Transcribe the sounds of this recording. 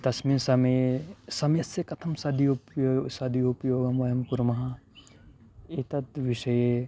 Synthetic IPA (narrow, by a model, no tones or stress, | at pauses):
d̪ɐsmiːnsɐmesɐmjɐsekɐt̪ʰɐmsɐd̪ʱiuposɐd̪ʱiupjoːɡɐmʋɐjɐmkuɾmɐɦɐ | et̪ɐt̪ʋiʃɐje